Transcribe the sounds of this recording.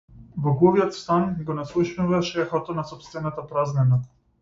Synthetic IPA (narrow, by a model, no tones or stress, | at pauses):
bɔɡuviɔt̪st̪anɡɔnaslˠuʃnuvaʃɛfɔt̪ɔnasɔpst̪vɛnat̪apɾaznɛna